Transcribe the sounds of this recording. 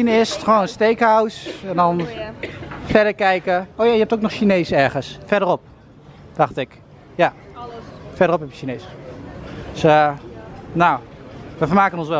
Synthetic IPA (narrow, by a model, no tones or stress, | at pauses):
inɪstχʋoːnənstejkhawsɛndɔn | fɛɹdəɹkɛjkəowjaːjəɛptoːknɔχʃineːsɛɹχənsfɛɹdərɔp̚ | d̥ɑχtɪk | ja | fɛɹdərɔphɛpəʃineːsə | sə | nawʋəfəɹmaːkənɔnsʋɛ